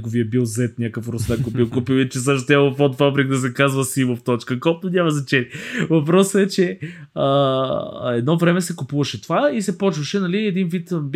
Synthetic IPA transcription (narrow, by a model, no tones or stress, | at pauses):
ɡoviɐbilˠzɛt̪nʲakəfɾʊsnɛkoɛbilˠkupilˠit͡ʃɛsaʃt̪ot̪jaofɔt̪fabɾik̚d̪ɐs̬ɛkazvəsimoft̪ɔt͡ʃkəkɔpnonʲamɐzɐt͡ʃɛnʲivɐpɾɔsəɛt͡ʃɛə | ɛd̪nɔvɾɛmɛsɛkʊpuvəʃɛt̪ovaisɛpɔt͡ʃvəʃɛnɐliɛd̪invit̪b